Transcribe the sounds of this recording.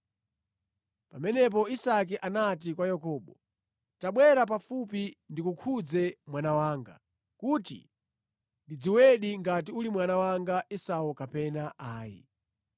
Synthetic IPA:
pamɛnɛp̬ɔisak̬iʔanat̬ikwajɔkɔːɓɔ | taɓwɛɾap̬afupindikukʰud͡zɛmwanawaːŋɡa̰ | kutḭ | ndid͡ziwɛɗiŋɡat̬iulimwanawaŋɡaʔisaukapɛnaʔaːjḭ

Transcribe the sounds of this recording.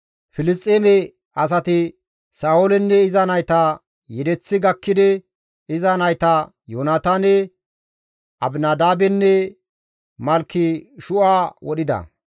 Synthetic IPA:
fɪlɪst̪ʼːeːmɛ | ʔɐs̬ɐt̪ɪ | saːwolɛnːɛɪzɐnɐjt̪ɐ | jɛd̪ɛt͡sːɪɡɐkːɪd̪ɛ | ɪzɐnɐjt̪ɐ | joːnaːt̪aːnɛ | ʔɐbnaːd̪aːbɛnːɛ | mɐlkːɪʃʊʔaːwɔɗɪd̪ɐ̰

